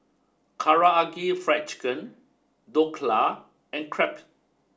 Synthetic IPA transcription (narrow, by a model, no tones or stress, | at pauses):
kʰaɹaaɡifɹɛt͡ʃkə̃n | dokʰla | ɛ̃nkʰɹɛp